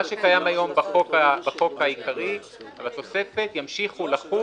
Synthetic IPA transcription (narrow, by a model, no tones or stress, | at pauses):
aʃekajamajo̞mbaχo̞kabaχo̞kajikaʁi | avat̪o̞se̞fet̪jamʃiχulaχu